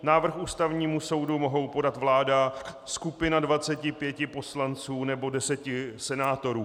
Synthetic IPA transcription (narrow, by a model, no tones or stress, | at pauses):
naːvr̩xuːst̪avɲiːmuso̞wdumo̞ɦo̞wpo̞dat̪vlaːdaskupɪnadvat͡sɛcɪpjɛcɪpo̞slant͡suːnɛbo̞dɛsɛcɪsɛnaːt̪o̞ɾuː